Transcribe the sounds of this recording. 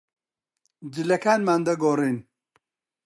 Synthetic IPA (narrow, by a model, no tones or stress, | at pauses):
d͡ʒilɐkʰaːnmand̪ɐɡoriːn